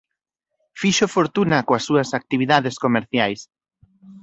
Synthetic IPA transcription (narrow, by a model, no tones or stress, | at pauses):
fiʃofoɾt̪unɐkoɐsːuɐsak̚t̪iβiðaðeskomeɾθjajs